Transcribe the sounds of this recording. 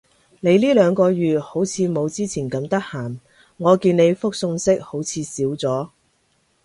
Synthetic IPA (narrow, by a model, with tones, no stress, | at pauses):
ne˨˧jliː˥lœː˨˧ŋkɔː˧ɥyː˨ho˨˥wt͡sʰiː˨˧mo˨˧wt͡siː˥t͡sʰiː˨˩nkɐ˨˥mt̪ɐ˥k̚haː˨˩m | ŋɔː˨˧kiː˧ne˨˧jfʊ˥k̚sʊ˧ŋsɪ˥k̚ho˨˥wt͡sʰiː˨˧siː˨˥wt͡sɔː˨˥